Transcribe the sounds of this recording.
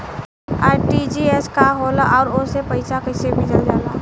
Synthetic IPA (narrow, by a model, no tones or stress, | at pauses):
a̰ːʈid͡ʒieskaɦoːlaʔɔːɾosepɐɪsakəɪsebʱid͡ʒɐld͡ʒaːlaː